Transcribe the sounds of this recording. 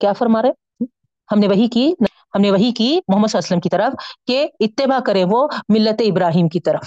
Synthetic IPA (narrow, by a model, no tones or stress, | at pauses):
kjaːfɐɾmaːɾe | hɐmneʋɐɦikin | hɐmneʋɐɦikimʊɦəmːəd̪saːɐsələmkit̪ɐɾəfkeɪt̪ːɪbakɐɾẽʋomɪlːət̪eɪbɾaːɦiːmkit̪ɐɾəf